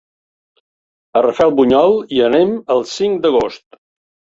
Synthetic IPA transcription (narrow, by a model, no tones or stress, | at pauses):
ərəfɛlˠβuɲɔlˠiəneməlˠsiŋd̪əɣost̪